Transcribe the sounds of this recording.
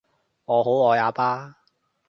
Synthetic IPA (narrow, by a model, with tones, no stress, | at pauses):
ŋɔː˨˧ɦo˨˥wɔː˨˧jaː˨˧paː˥